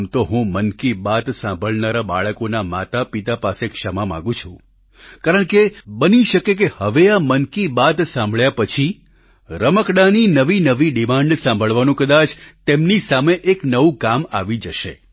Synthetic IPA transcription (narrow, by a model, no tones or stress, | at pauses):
mt̪oɦũmənkibat̪sãmbʱəɭnaɾaba̰ɭəkonama̰t̪apit̪apasekʃəmamã̰ɡũt͡ʃʰũ | kaɾəɳkebəniʃəkek̬ehəʋeamənkibat̪sãmbʱəɭjapət͡ʃʰi | ɾəməkɽaninəʋinəʋiɖimãɳɖsãmbʱəɭʋanũkəd̪at͡ʃt̪emnisameʔeknəʋũkama̰ʋid͡ʒəʃḛ